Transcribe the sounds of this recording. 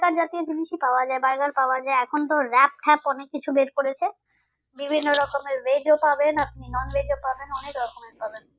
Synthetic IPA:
kaɾd͡ʑat̪iod͡ʑiniʃipaoad͡ʑaebaɾɡaɾpaoad͡ʑaeɛkʰont̪̬oɾɛp̚ʈʰɛpɔnekːit͡ɕʰubeɾkoɾet͡ɕʰe | bibʱinːoɾɔkomeɾɾeɖiopabenap̚ninɔnbeɖiopabenɔnekɾɔkomeɾpaben

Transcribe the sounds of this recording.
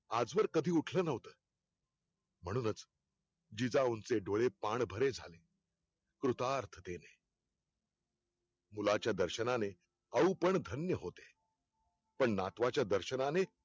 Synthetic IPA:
ad͡zʋəɾkəd̪ʱiːuʈʰləːnəʋt̪əː | m̤əɽ̃uːnət͡s | d͡ʑid͡zaunt͡seɖoɭepaɳbʱəɾed͡zʱa̰le | kɾut̪aɾt̪ʰət̪ene | mulat͡ɕjad̪əɾɕənane | əupəɳd̪ʱənjəɦot̪e̥ | pəɳnat̪ʋat͡ɕjad̪əɾɕənane

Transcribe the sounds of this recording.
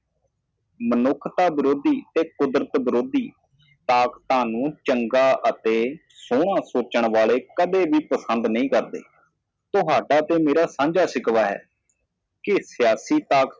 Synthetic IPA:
mənʊkʰt̪aːbɪɾoːd̪iːt̪eːkʊd̪ɾət̪bɪɾoːd̪iː | t̪aːkt̪aːnũːt͡ʃəŋɡaːʔət̪eː | soːɽ̃ãːsoːt͡ʃəɳ̃ʋaːɭeːkəd̪eːbiːpəsənd̪nəĩːkəɾd̪ḛː | t̪ʊɦaːɖaːt̪eːmeːɾaːsãːnd͡ʒaːsɪkʋaːɦɛ̰ː | kɪsɪjaːsiːt̪aːk

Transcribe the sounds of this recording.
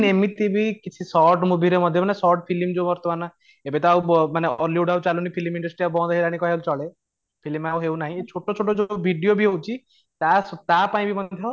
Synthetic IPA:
nemit̪ibʱikit͡ʃʰisɔɾʈmubʱiɾemɔd̪ʱjɔanesɔɾʈ̚pʰilimd͡ʒomɔɾt̪ɔbana | ebet̪ɔawmaneɔɾljiɖaut͡ʃalunipʰilimiɳɖɔsʈɾiabɔ̃d̪aɦilaɽ̃ikɔɦelut͡ʃɔɭe | pʰilimawɦewnaɦĩet͡ʃʰoʈot͡ʃʰoʈod͡ʒobʱiɖijobʱiɦewt͡ʃʰi | t̪ast̪apaĩbʱimɔd̪d̪ʱjɔ

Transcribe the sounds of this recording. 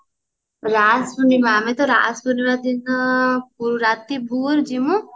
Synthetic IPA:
ɾasbunimamet̪ɔɾa̰ːsbuniɾɔd̪inəp̚uɾuɾat̪ibʱuɾd͡ʒimũ

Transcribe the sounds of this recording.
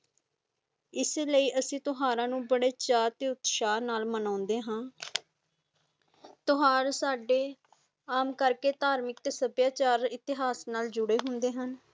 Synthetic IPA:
ɪseləiːʔəsĩːt̪ʊɦaːɾãːnũːbəɽeːt͡ʃaːɾt̪eːʊt̪ʃaːnaːlmənãːʊnd̪eːɦãː | t̪ʊɦaːɾsaːɖeː | aːmkəɾkeːt̪aːɾmɪk̪̚səbjaːt͡ʃaːɾɪt̪ɪɦaːsnaːld͡ʒʊɽeːɦʊnd̪eːɦən

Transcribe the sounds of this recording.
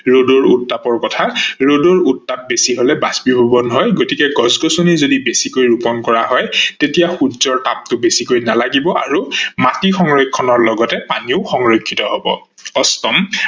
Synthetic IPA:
ɹodoɹutːapɔɹkɔtʰaɹodoɹutːap̚besiɦolɛbasbibʱɔbɔnɦɔjɡotikɛɡɔzɡɔsonizodibesikojɹupɔnkɔɹaɦɔjtetijaxudzɔɹtap̚tʊbesikojnalaɡibɔʔaɹumatixɔŋɹojkʰːɔnɔɹlɔɡɔtɛpaniʊxɔŋɹokʰːitɔɦobɔ̰ | ɔstɔm

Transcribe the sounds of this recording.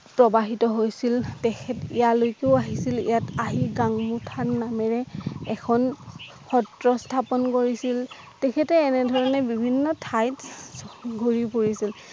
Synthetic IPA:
pɹɔbaɦitɔɦojsiltɛkʰɛtijalojkeʊaɦisilḭjataɦiɡaŋmutʰanamɛɹɛɛkʰɔn | pʰɔtɹɔstʰapɔnkoɹisil | tɛkʰɛtɛːnɛdʱɔɹɔnɛbibʱinːɔtʰajt | ɡʱoɹipoɹisil

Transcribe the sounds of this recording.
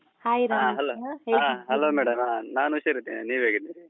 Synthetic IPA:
haːjiɾaaːɦɐloːaɦeaɦɐloːmɛːɽɐmaːnaːnuʃɐɾit̪ːininiːʋɦeːɡid̪i

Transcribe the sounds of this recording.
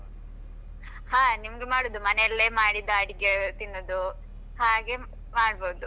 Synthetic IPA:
haːnimɐɡemaːɽoːd̪umɐnɛjɐlːeːmaːɽid̪aːɽiɡet̪inːoːd̪u | haːɡe̞ | maːɽboːd̪u

